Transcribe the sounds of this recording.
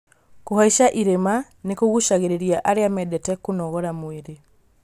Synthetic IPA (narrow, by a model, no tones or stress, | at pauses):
kohaiʃaʔiɾema | nekoɣuʃaɣeɾeɾiaʔaɾeamɛdɛtɛkonɔɣɔɾamweɾe